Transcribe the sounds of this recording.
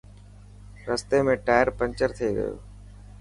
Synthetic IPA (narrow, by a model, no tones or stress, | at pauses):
ɾəst̪emẽʈaːjəɾpə̃ɲt͡ʃəɾt̪ʰeɡə̰jo̰ː